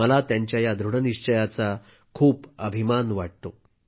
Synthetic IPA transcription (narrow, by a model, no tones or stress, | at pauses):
əlat̪jaɲt͡ɕjajad̪ʱɾuɽəniʂt͡ɕəjat͡sa | kʰuːpəbʱimanʋaʈ̚t̪o